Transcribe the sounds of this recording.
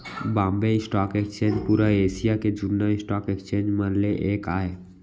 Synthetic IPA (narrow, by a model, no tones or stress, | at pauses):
bãːmbeɪsʈaːkekst͡ʃẽːnd͡ʒpuːɾaeːsijaked͡ʒunːaɪsʈaːkekst͡ʃẽːnd͡ʒmənleʔeːkaːe